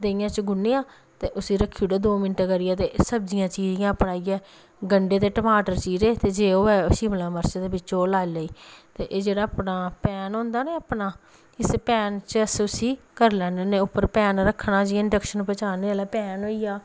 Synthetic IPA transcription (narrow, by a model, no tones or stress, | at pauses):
d̪eɪjãːt͡ʃɡʊneːãː | t̪eːʔʊsiːɾəkʰːiːuɽeːd̪oːmɪnʈeːkəɾɪjaːt̪eːsəbd͡ʒɪjãːt͡ʃiːzɪjãːpnaːiɛː | ɡəɳɖeːt̪eːʈəmaːʈəɾt͡ʃiːzeːt̪eːd͡ʒeːoːɛːʊsiːməlãːməɾt͡ʃaːd̪eːbɪt͡ʃoːlaːiləiːt̪eːʔeːd͡ʒeːɽaːpnaːpɛːnɦõːnd̪aːneːəpnaː | ɪspɛːnt͡ʃəəsʊsiː | kəɾlɛ̃ːnənẽːʊpːəɾpɛːnɾəkʰːnãːd͡ʒiːɪɳɖəkʃənpət͡ʃaːnelaːpɛːnoːiːaː